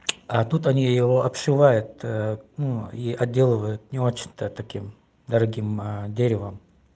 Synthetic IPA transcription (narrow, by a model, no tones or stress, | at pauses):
at̪ut̪ɐnʲijɪvoʔɐpʂɨvajʊt̪̚nuiʔɐdʲːe̞lˠɨvəjʊt̪̚nʲɪo̞t͡ɕɪ̥nʲt̪ət̪ɐkʲim | d̪ɐɾɐɡʲimdʲeɾʲɪvəm